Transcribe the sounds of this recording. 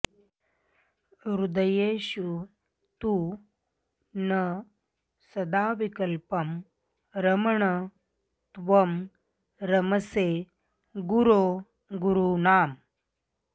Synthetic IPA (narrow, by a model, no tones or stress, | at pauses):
ɾud̪əjeːɕu | t̪uː | nə | sɐd̪aːʋikəlpɐm | ɾɐmɐɳɐ | t̪ʋɐm | ɾɐmɐse | ɡuɾoː | ɡuɾunaːm